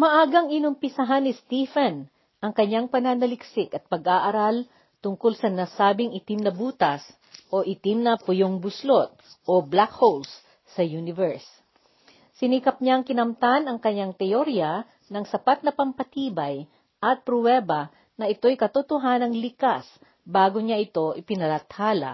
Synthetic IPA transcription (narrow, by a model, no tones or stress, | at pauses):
mɐʔaːɡɐŋɪnʊmpɪsɐɦanːɪst̪ifɛn | ʔɐŋkɐɲːaŋpɐnanɐlɪksɪkɐt̪̚pɐɡʔaːʔɐɾal | t̪ʊŋkolsɐnasaːbɪŋʔɪt̪ɪmnɐbuːt̪ɐs | ʔoʔɪt̪ɪmnɐpʊjoŋbʊslot̪̚ʔoblakholsː | ɐjunɪvɛɹs | sɪnikɐp̚ɲaŋkɪnɐmt̪anɐŋkɐɲːaŋt̪ɛʔoɾja | nɐŋsɐpat̪̚nɐpɐmpɐt̪iːbɐj | ʔɐt̪̚pɾʊwɛbɐ | nɐʔɪt̪o̞jkɐt̪ot̪ʊɦanɐŋlɪkas | baːɡoɲaʔɪt̪o̞ʔɪpɪnɐlɐt̪haːlɐ̰